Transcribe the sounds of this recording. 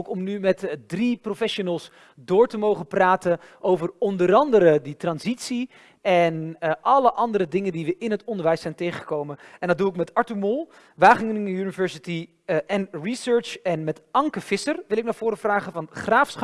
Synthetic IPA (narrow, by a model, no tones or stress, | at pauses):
kɔmnymɛtdriprofɛʃonəlˠs | dʊːɹtəmowχəpraːtəʔowvərɔndəɾɑndəɾəditrɑnzitsi | ɛnʔɑləʔɑndəɾədɪŋəndiʋəʔɪnɦətɔndəɹʋɛjsɛjntejχəχəkowmənʔɛndɑd̚uɪkmɛtɑɹtumolˠ | ʋaːχɪŋnŋynivɛɹsiti | ʔɛnrisøːɹt͡ʃɛnmɛtɑŋkəv̥ɪsərʋɪlɪk̚naːɹv̥ʊːɾəvraːχəvɑnχraːfsχ